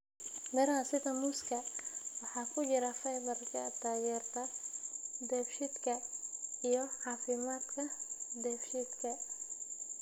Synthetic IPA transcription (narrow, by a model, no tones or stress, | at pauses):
d̪ɐɾasɪðɐmuskʰɐwɑħɑːkʰʊt͡ʃɪɾɐfɛjbɐrkʰɐ̰t̪ʰaːjɛːrt̪ʰɐ | d̪ɛːbʃɪd̪kʰɐijɞʕɑːfɪmaːd̪kʰɐd̪ɛːbʃɪd̪kʰɐ